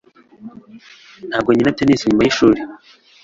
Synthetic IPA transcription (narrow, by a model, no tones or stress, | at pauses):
n̥haːbɡoɲinateniːsiɲuːmbajiʃuːɾe